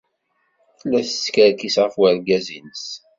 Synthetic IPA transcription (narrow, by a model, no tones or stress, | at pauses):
θlæθəskəɾkisʁəfwəɾɡæzinəs